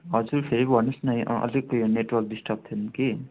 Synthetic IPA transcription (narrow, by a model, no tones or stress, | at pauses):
ɦʌd͡zuɾpʰeɾibʱʌnusnʌj̃ʔʌ̰likːojneʈwʌrk̚ɖisʈʌb̚t̪ʰenki